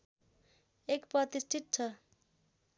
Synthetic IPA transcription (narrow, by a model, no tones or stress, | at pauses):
ekprʌt̪isʈʰit̪̚t͡sʰʌ